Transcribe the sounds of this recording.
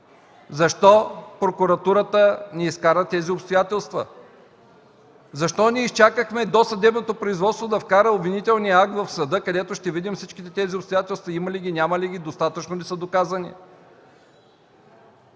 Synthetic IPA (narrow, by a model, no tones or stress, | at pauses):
zɐʃt̪ɔpɾokuɾɐt̪uɾət̪əniiskaɾət̪ɛziopst̪ojat̪ɛlˠst̪və̰ | zɐʃt̪ɔniɛist͡ʃakəxmɛd̪osɐd̪ɛbnot̪opɾoizvɔt̪st̪vod̪ɐfkaɾəobvinit̪ɛlˠnijɐak̚t̪vɐfsɐd̪ɤkɐd̪ɛt̪oʃt̪ɛvid̪imfsit͡ʃkit̪ɛt̪ɛziopst̪ojat̪ɛlˠst̪vɐiməliɡʲinʲamɐliɡ̟ʲid̪ost̪at̪ət͡ʃnonɛsəd̪okazənḭ